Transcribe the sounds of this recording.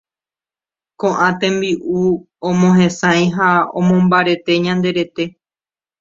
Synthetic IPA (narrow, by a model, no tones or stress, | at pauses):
kõʔãt̪ẽmbiʔu | õmõɦẽ̞sãj̃ɦaõ̰mõmbaɾe̞t̪e̞ɲãnd̪e̞ɾe̞t̪e̞